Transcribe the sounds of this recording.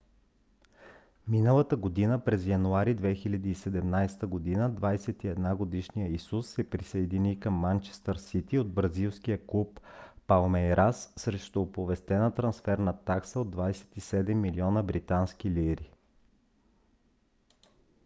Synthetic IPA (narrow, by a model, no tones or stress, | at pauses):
minəlˠət̪əɡod̪inəpɾɛzjɐnuaɾid̪vɛxilʲɐd̪iːsɛd̪ɛmnajst̪əɡod̪inəd̪vajsɛt̪iɛd̪naɡod̪iʃnijəisusːɛpɾisɐɛd̪inikəmːant͡ʃɛ̥st̪əɾsit̪iod̪̚bɾɐzilˠskijəklˠupːalˠmɛjɾasːɾɛʃt̪ɔːpovɛst̪ɛnət̪ɾɐnsfɛɾnɐt̪aksəod̪ːvajsɛ̥t̪isɛd̪ɛmːiliɔnəbɾit̪anskʲiliɾi